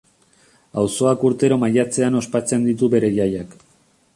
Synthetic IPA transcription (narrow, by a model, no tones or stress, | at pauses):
awso̞akuɾt̪e̞ɾo̞maʎat͡se̞ano̞spat͡se̞nd̪it̪uβe̞ɾe̞ʎajak